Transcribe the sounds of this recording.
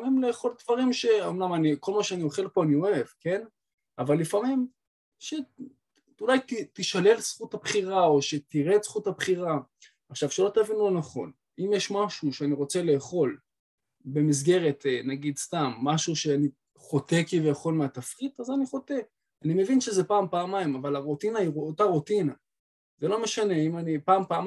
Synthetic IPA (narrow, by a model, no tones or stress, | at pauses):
mimleːχo̞ldvaʁimʃe̞omnamaniko̞lmaʃeanioχe̞lpo̞anio̞e̞vke̞n | avalːifamim | ʃe | ulajtitiʃale̞χsχuthapχiʁao̞ʃe̞t̪iʁetsχuthapχiʁa | aχʃavʃelo̞tavinulonaχo̞̰n | imjeʃmaʃuʃeaniʁo̞t͡se̞le̞ːχo̞l | be̞mis̬ɡe̞ʁe̞tnaɡidstamːaʃuʃeani | χo̞te̞kivejaχo̞lmeatafʁit̪azaniχo̞te | anime̞vinʃezepaːmpaːmaimavalaʁutinaiʁuotaʁutina | zelo̞me̞ʃane̞imanipaːmpaːm